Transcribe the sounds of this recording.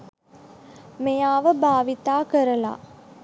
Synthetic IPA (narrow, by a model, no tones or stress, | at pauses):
mejaːʋɐbʱaːʋit̪aːkɐɾɐla̰ː